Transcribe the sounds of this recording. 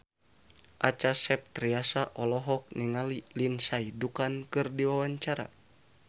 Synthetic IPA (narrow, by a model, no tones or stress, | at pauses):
ʔat͡ʃasɛp̚t̪ɾiasaʔɔlɔɦɔk̚niŋalilinsaidukankɨrdiwawaɲt͡ʃaɾa̰